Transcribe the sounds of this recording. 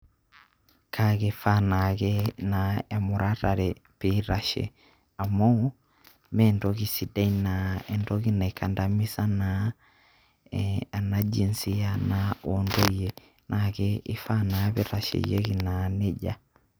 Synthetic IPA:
kʰaɣe˨fa˦naɣɛnaɛ˨mu˨ɾa˦ɾa˨ɾɛ | peɾaʃḛ˨ | a˨mɔ˦ | mɛndɔɣisi˨da˦inaɛndɔ˦ɣi˦na˨ika˨nda˨mi˦sa˦na | a˨nad͡ʒi˨nsi˦a˦naondo˦ijɛ | nʔakɛi˦fa˦naβe˦ɾa˨ʃḛje˦ɣi˨nanɛ˦ɟa˦

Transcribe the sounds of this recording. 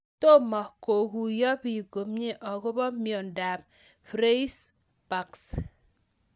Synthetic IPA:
to˦mɔ˨ko˨ku˨jɔ˦bi˨ɡo˨mɲe˦ʔɔ˨ɡo˦bɔ˦mjɔ˨n˨da˨p̚ | fɾe˦i˦s | pa˨ks

